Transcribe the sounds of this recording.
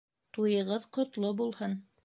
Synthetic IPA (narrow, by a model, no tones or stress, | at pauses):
t̪ujɤ̆ʁɤðqŏt̪lˠobulˠhɤn